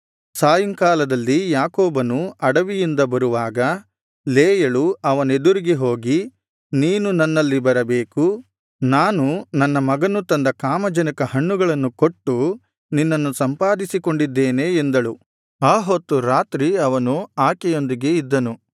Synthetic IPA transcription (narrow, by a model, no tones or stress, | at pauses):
saːjɐmkaːlɐd̪ɐlːijaːkoːbɐnuɐɽɐʋijind̪ɐbɐɾuʋaːɡɐ | leːjɐɭuɐʋɐne̞d̪uɾiɡiɦo̞ːɡi | niːnunɐnːɐlːibɐɾɐbeːku | naːnunɐnːɐmɐɡɐnut̪ɐnd̪ɐkaːmɐd͡ʒɐnikɐhɐɳːuɡɐɭɐnːukoʈːu | ninːɐnːusɐmpaːd̪isiko̞ɳɖid̪ːeːne̞ːnd̪ɐɭu | aːɦot̪ːuɾaːt̪ɾiɐʋɐnuaːkɛjo̞nd̪iɡe̞id̪ːɐnu